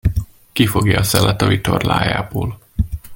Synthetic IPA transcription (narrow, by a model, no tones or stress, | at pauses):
kifo̞ɡjɒːsɛlɒt̪ɒvit̪orlaːjaːboːl